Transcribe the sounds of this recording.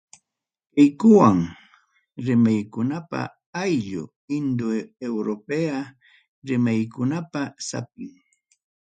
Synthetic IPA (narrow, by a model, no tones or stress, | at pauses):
kɪjkʊwaŋ | ɾɪmajkʊnapa̰ | ajʎʊ̰ | ɪnd̪oewɾopea | ɾɪmajkʊnapasa̰p̚ɪŋ